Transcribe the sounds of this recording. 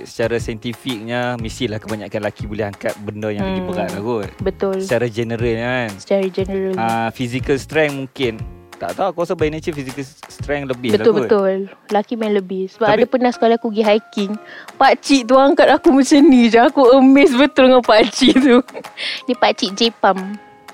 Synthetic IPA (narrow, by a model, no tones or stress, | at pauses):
sə̥t͡ʃaɾasaɛnt̪ifik̚ɲamisilahkəbaɲaʔkanlakibolɛɦaŋkat̪̚bəndəjaŋəɡibəɡaʔlaɡubət̪ʊlsət͡ʃaɾad͡ʒənəɾəlansə̥t͡ʃaɾad͡ʒənəɾəlafisikəlst̪ɾɛŋmuŋkɪnt̪a̰ʔt̪aukuasabajnat͡ʃəfizikəlst̪ɾɛŋləbɪbətlaʊlɡbət̪ʊllakimajləbɪhsəbapadapənahsə̥kalakuɡiɦajkɪŋpaʔt͡ʃiʔt̪̬uaŋkat̪akumət͡ʃənid͡ʒaakuəmes̬bət̪ʊlŋapat͡ʃiʔt̪unipat͡ʃiʔd͡ʒepam